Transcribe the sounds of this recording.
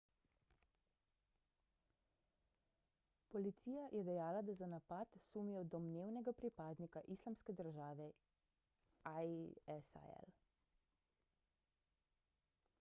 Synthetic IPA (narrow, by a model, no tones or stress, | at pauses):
pɔlit̪siːjajʔɛd̪ɛjaːlad̪azanapat̪suːmijɔd̪ɔmneːwnɛɡapɾipaːd̪nikaʔislamskɛd̪əɾʒaːʋɛ | aɛsa̰ɛ̰l